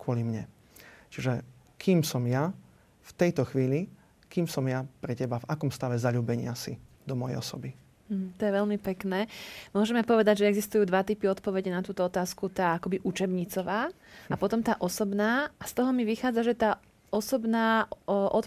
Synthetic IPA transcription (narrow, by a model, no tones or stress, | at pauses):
kʊɔlimɲɛ | t͡ʃiʒɛ | kʰiːmsɔmja | ft̪ɛjt̪ɔxʋiːli | kiːmsɔmjapɾɛcɛbavakɔmst̪aʋɛzaʎuːbɛɲɪasid̪ɔmɔjɛ̰jɔsɔbi | m̩ɦ̩t̪ɔjɛʋɛʎmipɛknɛːmʊɔʒɛmɛpɔʋɛd̪aɟʒɛɛɡzist̪ujuːd̪ʋat̪ipiɔt̪pɔʋɛɟɛnat̪uːt̪ɔɔt̪aːskut̪aːakɔbiʔut͡ʃɛbɲit͡sɔʋaː | apɔt̪ɔmt̪aːʔɔsɔbnaːast̪ɔɦɔmiʋixaːd͡zaʒɛt̪aː | ɔsɔbnaːʔɔt̪